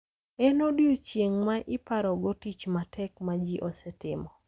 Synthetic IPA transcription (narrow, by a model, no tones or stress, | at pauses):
ɛnodjut͡ʃjeŋmaʔɪpaɾɔɡotit͡ʃmatʰɛkmad͡ʒiʔɔsɛtɪmɔ